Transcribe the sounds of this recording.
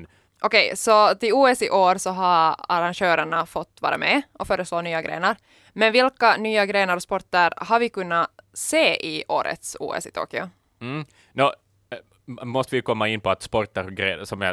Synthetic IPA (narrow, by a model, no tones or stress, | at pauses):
ʔɔkɛjsɔt̪ɪuːɛsɪʔoːɾsɔɦaaɾanɕøːɾəɳafɔt̪ːvɑ̰ːɾa̰mʔɛʔɔfœːɾəsloːnyːaɡɾḛːnəɾ | mɛnvɪlkanyːaɡɾeːnəɾɔspɔɾʈ̪əɾhaɾvɪkɵnːaseːʔɪʔo̰ːɾʔə̰t̪sṵːɛ̰sɪt̪ʰo̰ːkɪʊ̰ | no | mɔst̪əvɪjkʰɔmːaɪnːpʰɔat̪spɔɾt̪əɾɔɡɾḛːsɔma̰